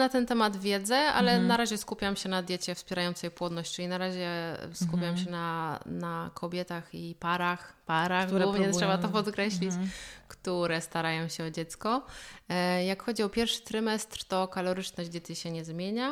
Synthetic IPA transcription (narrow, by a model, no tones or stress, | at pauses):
nat̪ɛnt̪ɛmad̪vʲjɛd̪zɛa̰lɛnaɾaʑɛskupʲjamɕɛnad̪ʲjɛt͡ɕɛfspʲjɛɾajɔnt̪sɛjpwɔd̪nɔɕt͡ɕt͡ʂɨlʲinaɾaʑɛ̰skupʲjamɕɛnanakʰɔbʲjɛt̪axipaɾaxpaɾaxɡɡuvɲɛt̪ʂɛbatt̪ɔpɔt̪kɾɛɕlʲit͡ɕkt̪uɾɛst̪aɾajɔ̃w̃ɕɛɔd͡ʑɛt̪skɔ | jakxɔd͡ʑiɔpʲjɛɾfʂɘ̥t̪ɾɘmɛst̪ɾt̪ɔkalɔɾɘt͡ʂnɔʑd͡ʑd̪jɛt̪iɕɛɲɛzmʲjeɲa